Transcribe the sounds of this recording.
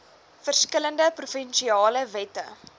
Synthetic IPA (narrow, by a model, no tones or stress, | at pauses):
fərskələndəprufɛnʃiɑːləvɛtə̰